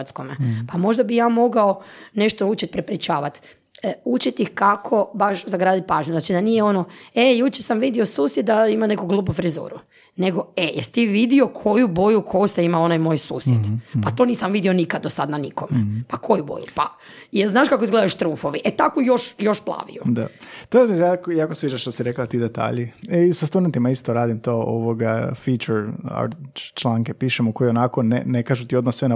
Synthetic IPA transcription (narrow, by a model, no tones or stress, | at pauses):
t̪skompamo̞ʒd̪abijaːmo̞ɡaone̞ʃt̪out͡ʃit̪̚pɾepɾit͡ʃaːʋat̪ː | ut͡ʃit̪ixkakʰo̞baʃzaɡɾaːd̪it̪̚paːʒɲuznat͡ʃid̪anijeo̞noejut͡ʃesamʋid̪iosuːsjed̪̚d̪aimane̞koɡlˠuːbufɾizṵːɾṵ | neɡo̞ejest̪iʋid̪io̞kʰo̞jubojukʰojuseimao̞najmo̞ːjsṵːsjed̪pat̪o̞niːsamʋid̪io̞nikad̪osad̪naniko̞mḛpakʰo̞jubo̰jupa | jeznaːʃkakoizɡle̞d̪aeʃt̪ɾuɱfo̞ʋiʔet̪akojo̞ʃjo̞ʃplˠa̰ːʋḭod̪a̰t̪oezmijakjaːkosʋiːd͡ʒaʃt̪osiɾeklat̪iːd̪et̪a̰ːʎieisast̪ud̪ent̪imaist̪oɾaːd̪imt̪oo̰ʋoɡafit͡ʃɛɾa̰ɾt͡ʃlˠaːŋkepiːʃemokojionakonḛnekaːʒut̪iod̪masʋena